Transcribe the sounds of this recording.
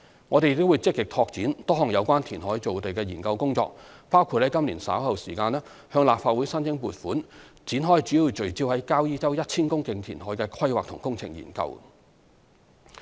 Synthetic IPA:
ŋɔː˨˧t̪e˨jt̪ːo˥wuː˨˧jt͡sɪ˥kːɪ˨k̚t̪ʰɔː˧k̚t͡siː˨˥nt̪ɔː˥ɦɔː˨˩ŋjɐ˨˧wkʷaː˥nt̪ʰiː˨˩nɦɔː˨˥jt͡so˨wt̪e˨jkɛː˧jiː˨˩nkɐ˧wkʊ˥ŋt͡sɔ̰ː˧k̚paː˥wkʰu˧hɐ˨˥jkɐ˥mli˨˩nsa̰ː˨˥whɐ˨wsiː˨˩kaː˧nɛː˥ | hœː˧ŋlaː˨p̚faː˧t̚wu˨˥jsɐ˥nt͡sɪ˥ŋpuː˨t̚fuː˨˥n | t͡siː˨˥nɦɔː˥jt͡ʃyː˨˥jiː˧wt͡ʃɵ˨˩ɥt͡siː˧whɐ˨˥jkaː˥wjiː˥t͡sɐ˥wjɐ˥t̚t͡sʰiː˥nkʊ˥ŋkɪ˧ŋt̪ʰiː˨˩nɦɔː˨˥jkɛː˧kʰwɐ˥jwaː˨k̚t̪ʰʊ˨˩ŋkʊ˥ŋt͡sʰɪ̰˨˩ŋjḭ˨˩nkɐ̰˧w

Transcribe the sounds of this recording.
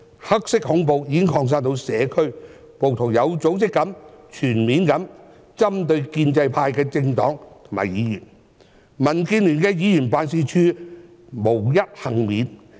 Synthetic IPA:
hɐ˥k̚sɪ˥k̚hʊ˨˥ŋp̬o˨wjiː˨˧kɪ˥ŋkʰɔː˧ŋs̬aː˥nt̪o˧wsɛː˨˧kʰɵ˥ɥ | po˨wt̪ʰʊ˨˩ŋjɐ˨˧wt͡so˨˥wt͡sɪ˥kːɐ˨˥mt͡ʃʰyː˨˩nmiː˨˧nkɐ˨˥m | t͡sɐ˥mt̪ɵ˧ɥkiː˧nt͡sɐ˧jpʰaː˧jkɛː˧t͡sɪ˧ŋt̪ɔ̰ː˨˥ŋt̪ʰo˨˩ma̰ː˨˩jjiː˨˧jyː˨˩n | mɐ˨˩nkiː˧nly˨˩nkɛː˧jiː˨˧jyː˨˩npaː˨˧nsiː˧t͡ʃʰyː˧ | mo˨˩wjɐ˥t̚hɐ˨˩ŋmiː˨˥n

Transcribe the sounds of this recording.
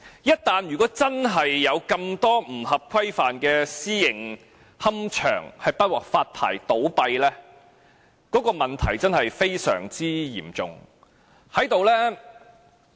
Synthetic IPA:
jɐ˥t̚t̪aː˨njyː˨˩kɔː˨˥t͡sɐ˥nɦɐ˨jːɐ˨˧wkɐ˧mt̪ɔː˥m̩˨˩ɦɐ˨p̚kʰɐ˥jfaː˨nkɛː˧siː˥jɪ˨˩ŋ | hɐ˥mt͡ʃʰœ̰ː˨˩ŋhɐ˨jpɐ˥t̚wɔː˨˩k̚faː˧t̚pʰa̰ː˨˩jt̪o˨˥wpɐ˧jlɛː˥ | kɔː˨˥kɔː˧mɐ˨˩nt̪ʰɐ˨˩jt͡sɐ˥nhɐ˨jfe˥jsœ̰ː˨˩ŋt͡siː˥jḭː˨˩mt͡sʊ̰˨˩ŋ | hɐ˨˥jt̪o˨wlɛː˥

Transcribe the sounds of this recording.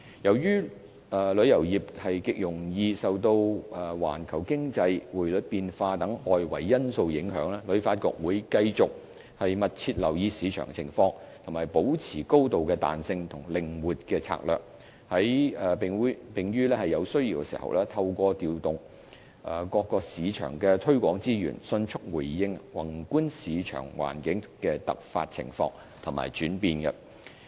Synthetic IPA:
jɐ˨˩wjyː˥ | ɛː˨lɵ˨˥ɥjɐ˨˩wjiː˨˩p̚hɐ˨jkɪ˨k̚jʊ˨˩ŋjiː˧sɐ˨wt̪o˧wʔɛː˨˩wa̰ː˨˩nkʰɐ˨˩wkɪ˥ŋt͡sɐ˧jwuː˨˩jlɵ˨˥t̚piː˨˧nfaː˧t̪ɐ˨˥ŋʔɔː˨jwɐ̰˨˩jːɐ˥nso˧wjɪ˨˥ŋɦœ̰ː˨˥ŋlɛː˥lɵ˨˥ɥfaː˧t̚kɔ̰ː˧k̚wuː˨˧jkɐ˧jt͡sʊ˨k̚ | hɐ˨jmɐ˨t̚t͡sʰiː˧t̚lɐ̰˨˩wjiː˧siː˨˥t͡ʃʰœ̰ː˨˩ŋt͡sʰɪ˨˩ŋfɔː˧ŋ | t̪ʰʊ˨˩ŋmaː˨˩jpo˨˥wt͡sʰiː˨˩ko˥wt̪o˨wkɛː˧t̪a̰ː˨nsɪ˧ŋt̪ʰʊ˨˩ŋlɪ˨ŋwuː˨t̚kɛː˧t͡sʰa̰ː˧˥k̚lœ̰ː˨k̚ | hɐ˨˥jɛ˨pːpɪ˨ŋjyː˥lɛː˥hɐ˨jːɐ˨˧wsɵ˥ɥjiː˨wkɛ˧˥sḭː˨˩hɐ̰˨wlɛː˥t̪ʰɐ˧wkʷɔː˧t̪iː˨wt̪ʊ˨ŋ | ʔɛ˨˧kɔː˧kːɔː˧k̚siː˨˧t͡ʃʰœ̰ː˨˩ŋkɛ˧t̪ʰɵ˥ɥkʷɔː˨˥ŋt͡siː˥jy̰ː˨˩nsɵ˧nt͡ʃʰʊ˥k̚wu˨˩jːɪ˧ŋwɐ̰˨˩ŋkuː˥nsiː˨˧t͡ʃʰœ̰ː˨˩ŋwa̰ː˨˩nkɪ˨˥ŋkɛː˧t̪ɐ̰˨k̚fa̰ː˧t̚t͡sʰɪ̰˨˩ŋfɔ̰ː˧ŋ | t̪ʰʊ˨˩ma̰ː˨jt͡ʃyː˨˥npiː˧nɡɐ˧

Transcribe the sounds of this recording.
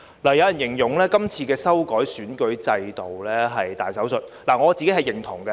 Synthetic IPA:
laː˨˩jɐ˨˧wjɐ˨˩njɪ˨˩ŋjʊ˨˩ŋlɛː˥kɐ˥mt͡sʰiː˧kɛː˧sɐ˥wkɔː˨˥jsyː˨˥nkɵ˨˥ɥt͡sɐ˧jt̪o˨wlɛː˥ɦɐ˨jt̪a̰ː˨jsɐ˨˥wsɵ˨t̚laː˨˩ŋɔː˨˧t͡siː˨ke˦˥ɦɐ˨jɪ˨˩ŋt̪ʰʊ˨˩ŋɡɐ˧

